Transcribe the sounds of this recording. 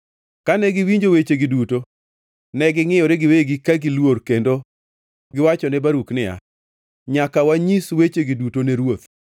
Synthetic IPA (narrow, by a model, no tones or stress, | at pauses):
kanɛɡɪwiɲd͡ʒowet͡ʃeɡɪduto | nɛɡɪŋɪjɔɾeɡɪweɡɪkaɡɪlworkendo | ɡɪwat͡ʃɔnɛbaɾuknɪja̰ | ɲakawaɲiswet͡ʃeɡidutoneɾwot̪